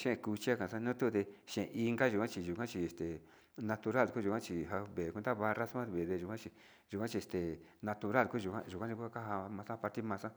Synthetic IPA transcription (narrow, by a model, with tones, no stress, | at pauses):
ʃẽ˦e˧ku˧t͡ʃi˦a˦˧kã˨sã˦˧nũ˦t̪u˦˧ðe˧ʃẽ˨˧ʔi˧ŋɡa˦ʒu˨kʷã˦t͡ʃi˧ʒu˨kʷã˦t͡ʃi˧e˨st̪e˨ | nã˧t̪u˧ɾa˦˨lku˦ʒu˨kʷã˦t͡ʃi˧˨ɦa˧βe˨kʷu˧nd̪a˦βa˧ra˦sã˦˧βe˨ðe˧ʒu˨kʷã˦t͡ʃi˧ | ʒu˨kʷã˦t͡ʃi˧e˧˨st̪e˨nã˧t̪u˧ɾa˦lku˦ʒu˨kã̰˦ʒu˨kʷã˦t͡ʃi˧ku˦a˦ka˦ɦa˧mã˧sã˦˧pa˧ɾt̪i˦mã˧sã˦